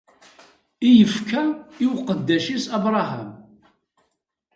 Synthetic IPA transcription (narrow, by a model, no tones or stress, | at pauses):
ijəfkʰæiwqəd̪ːæʃisæbɾˤɑɦæm